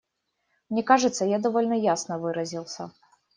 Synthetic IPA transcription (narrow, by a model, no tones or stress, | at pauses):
mnʲɛkaʐɨt̪sːɐjad̪ɐvɔlʲnɐjasnɐvɨɾɐzʲilˠsʲɐ